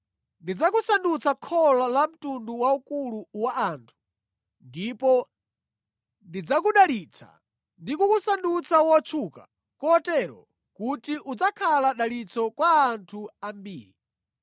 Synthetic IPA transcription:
ndid͡zakusandut͡sʰakʰɔlalam̩tunduwaukuluwaaːntʰu̥ | ndipɔ | ndid͡zakuɗalit͡sʰa̰ | ndikukusandut͡sʰawɔt͡ʃʰuka̰ | kɔtɛɾɔ̰ | kutiʔud͡zakʰalaɗalit͡sʰɔkwaːntʰuambiːɾi

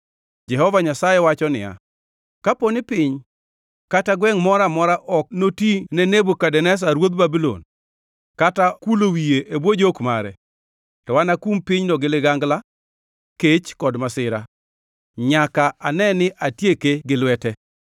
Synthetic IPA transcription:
d͡ʒɛhɔvaɲasajɛwat͡ʃɔnɪ̰ja̰ | kaponɪpɪɲ | kataɡwɛŋmɔɾamɔɾaʔɔk̚notinɛnebokadɛnɛs̬aɾwod̪̚babilo̰n | katakulowieʔebwod͡ʒokma̰ɾɛ | tɔwanakumpɪɲnɔɡɪlɪɡaŋɡla | ket͡ʃkɔdmasɪɾa̰ | ɲakaanɛnɪʔatjekeɡɪlwɛtɛ

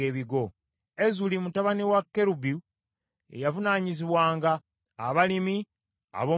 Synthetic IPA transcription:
eːβiɡo̞ | ezulimutaβaniwakːe̞ɾubu | e̞̰javunaːɲiziβwaːŋɡaː | βalimi | a̰βo̞

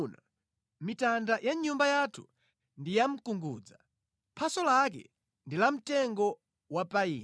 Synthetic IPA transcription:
na | mitandajʔaɲumbajatʰu̥̰ | ndijam̩kuŋɡuːd͡za | pʰasɔlak̬ɛ̰ | ndilam̩tɛŋɡɔ | wapaiː

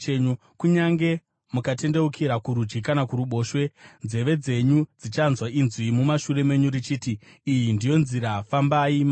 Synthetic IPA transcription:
eɲu | kuɲaŋɡe̞ | mukate̞nde̞ukʰiɾakuɾud͡ʒɡikanakuɾuɓo̞ːʃwe̞nze̞ʋe̞d͡ze̞ɲud͡zit͡ʃanzwainzwimumaʃure̞me̞ɲuɾit͡ʃiːtiː | jindijo̞nziɾafambaima

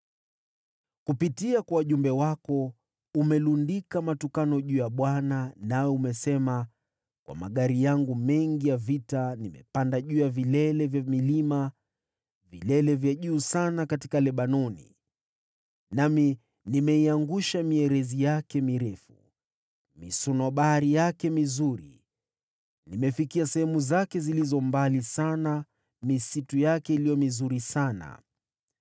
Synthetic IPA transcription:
kupitiakwawaʄumbɛwakɔ | umɛlundikamatukanɔʄuːjaɓwananaɔumɛsɛma | kwʔa̰ma̰ɠaɾijaŋɡumɛŋɡijavitanimɛ̰pandaʄuːjavilɛlɛvjamilima | vilɛlɛvjaʄuːsanakatikalɛɓanɔnḭ | nami | nimɛiaŋɡuʃamiɛɾɛzijakɛmiɾɛfṵ | mḭsɔnɔɓaaɾijakɛmizuɾḭ | nimɛfikiasɛhɛmuzakɛzilizɔmbalisana | misitujakɛilijɔmizuɾisana̰

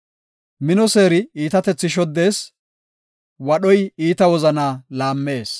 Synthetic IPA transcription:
mɪnɔse̞ːɾɪiːt̪ɐt̪ɛt͡sːɪʃ̬ɔd̪ːe̞ːs | wɐɗɔjiːt̪ɐwɔzɐnaːlaːmːe̞ːs

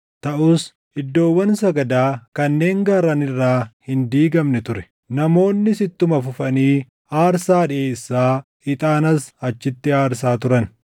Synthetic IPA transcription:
t̪ɐʔʊs | ɪd̪ːo̞ːwːɐnsɐɡɐd̪aːkɐnːe̞ːŋɡɐɾɐnɪrːaːhɪnd̪iːɡɐmnɛt̪ʊɾɛ̥ | nɐmo̞ːnːɪsɪt̪ːʊmɐfʊfɐniː | aːɾsaːᶑɪʔeːsːaː | ɪt̪ʼaːnɐsɐt͡ʃːɪt̪ːɪaːɾsaːt̪ʊɾɐn

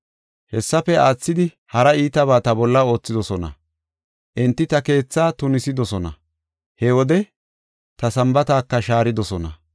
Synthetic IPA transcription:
hɛsːɐpɛaːt͡sːɪd̪ɪ | hɐɾɐiːt̪ɐβaːt̪ɐbɔlːɐo̞ːt͡sːɪd̪ɔsɔnɐ̰ | ʔɪnt̪ːɪt̪ɐke̞ːt͡sːaːt̪ʊnɪsɪd̪ɔsɔnɐ̰ | hɛwɔd̪ɛ | t̪ɐsɐmbɐt̪aːkːɐʃaːɾɪd̪ɔsɔnɐ̰

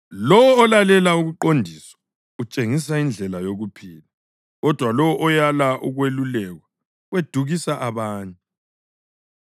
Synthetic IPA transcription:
lɔwɔːlalɛlauɣuǃondʱiswḁ | ut͡ʃʼeŋis̬aind͡ɮʱɛlajoɣupʰiːla | ɣɔd̥ʱwalɔwɔʔɔjalaʔuɣwelulɛɣwa | wed̥ʱuɣisaʔaβaːɲa

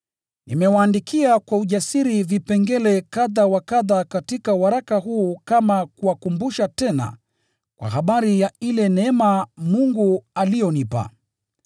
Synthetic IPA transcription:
nimɛwaːndikʰiakwauʄasiɾivipɛŋɡɛlɛkaðawakaðakatikauwaɾakaɦuːkamakuwakumbuʃatɛna̰ | kwa̰ɦaɓaɾijailɛnɛɛmamuŋɡualijɔnipa̰

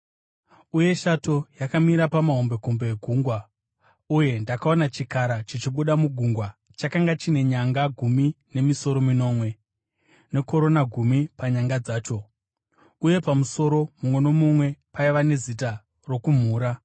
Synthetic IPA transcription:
uje̞ʃato̞jakamiɾapamaɦo̞mbe̞kombeːɡʱuːŋɡwa | uje̞ndakao̞nat͡ʃikaɾat͡ʃit͡ʃiɓuɗamuɡʱuŋɡwa | t͡ʃakaŋɡat͡ʃine̞ɲaŋɡaɡʱumine̞miso̞ɾo̞mino̞ːmwe̞ | ne̞ko̞ɾo̞naɡʱumipaɲaŋɡad͡zaːt͡ʃo̞ | uje̞pamuso̞ɾo̞mumwe̞no̞mumwe̞paiʋane̞zita | ro̞kum̤uːɾa

